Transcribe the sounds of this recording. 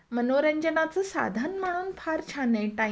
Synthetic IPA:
mənoɾəɲd͡ʑənat͡səːsa̰d̪ʱanmaɽ̃uːnfʰaɾt͡ɕʰaneʈã

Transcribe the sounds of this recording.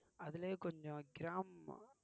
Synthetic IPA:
ɐðɪleːkɔɲd͡ʒɔ̃ɡɪɾaːm

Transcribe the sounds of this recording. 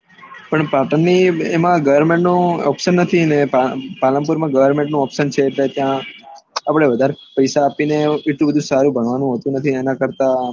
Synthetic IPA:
pəɳpaʈənːiemãɡəʋəɾmẽɳʈnũɔpʃənːət̪ʰinepaləmpuɾmãɡəʋəɾmẽɳʈ̚nũɔpsənt͡ʃʰet̪let̪jã | apɽ̃eʋəd̪ʱaɾepəjsaːpineeʈ̪lũbəd̪ʱũsaɾũbʱəɳʋanũɦət̪ũnət̪ʰienãkəɾt̪a

